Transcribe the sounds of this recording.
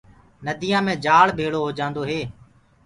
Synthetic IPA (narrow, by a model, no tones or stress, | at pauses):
nəd̪ʱiːjãːmẽːd͡ʒaːɭbʱeːɭoːɦoːd͡ʒãːnd̪oːɦeː